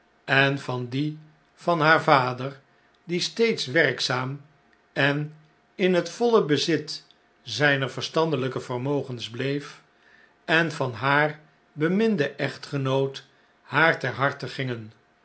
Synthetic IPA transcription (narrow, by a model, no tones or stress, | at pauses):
ɛnvɑndi | fɑnɦaːɹvaːdər | distejtsʋɛrksaːm | ɛn | ɪnɦətfɔləbəzɪt | zɛjnəɹvəɹstɑndələkəvərmowχənzblejf | ɛnvɑnɦaːɹ | bəmɪndəʔɛχtχənowt | haːɹtɛɹɦɑɹtəχɪŋən